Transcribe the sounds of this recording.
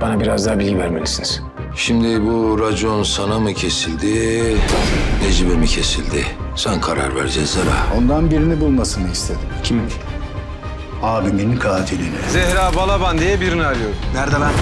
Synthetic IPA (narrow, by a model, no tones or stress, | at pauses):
b̥anabiɾazd̪aːbilʲɡɟivæɾmelʲisiniz̥ | ʃimd̪ibuɾad͡ʒo̞nsanamɯcʰe̞silʲd̪i | ned͡ʒibemicʰe̞silʲd̪ɪsankʰaɾa̰ɾvæ̰ɾd͡ʒɛzaɾa̰ːo̞nd̪anbiɾinibulˠmasɯnɯist̪ʰed̪imcʰim | aːbiminkʰaːt̪ʰilʲinɛzɛɦɾaːbalˠaband̪ijɛbiɾiniaɾɯjoɾnæɾd̪ala